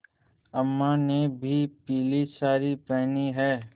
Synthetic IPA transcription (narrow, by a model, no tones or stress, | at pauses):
əmːanebʱipiːlisaːɾipɛːniɦɛː